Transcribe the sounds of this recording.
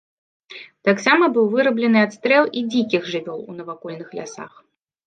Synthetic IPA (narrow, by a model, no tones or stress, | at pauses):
t̪aksamɐbɨwvɨɾɐblʲɛnɨat̪st̪ɾɛlˠid͡zʲikʲixʐɨvʲɔlˠṵnɐvakɔlʲnɨxlʲa̰sa̰x